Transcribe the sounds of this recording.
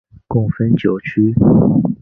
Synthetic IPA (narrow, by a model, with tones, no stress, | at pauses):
kʊ˥˩ŋfə˥nt͡ɕjo˨˩ʊt͡ɕʰy˥